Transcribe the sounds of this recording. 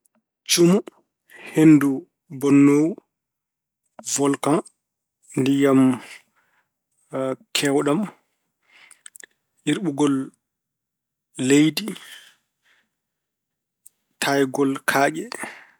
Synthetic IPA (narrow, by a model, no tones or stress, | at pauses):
t͡ʃumu | henːdu | bɔnːow | vɔlkan | ndijam | kʰɛwɗam | ʔiɾɓuɡɔl | ejdi | tʰajɡɔlkʰaːɡɛ